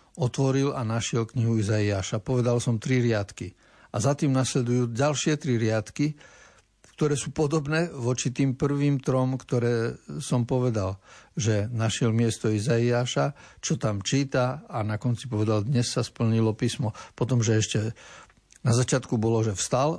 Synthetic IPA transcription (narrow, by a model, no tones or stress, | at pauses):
ɔt̪ʋɔɾilanaʃɪɛlkɲiɦuizaiaːʃapɔʋɛd̪alsɔmt̪ɾiɾɪat̪ki | azat̪iːmnaslɛd̪ujuːɟalʃɪɛt̪ɾiɾɪat̪ki | kt̪ɔɾɛːsuːpɔd̪ɔbnɛːʋɔt͡ʃit̪iːmpr̩ʋiːmt̪ɾɔmkt̪ɔɾɛːsɔmpɔʋɛd̪alʒɛnaʃɪɛlmɪɛst̪ɔizaiaːʃat͡ʃɔt̪amt͡ʃiːt̪aanakɔnt͡sipɔʋɛd̪ald̪ɲɛsːaspl̩ɲilɔpiːsmɔpɔt̪ɔmʒɛɛʃcɛ | nazat͡ʃɪat̪kubɔlɔʒɛfst̪al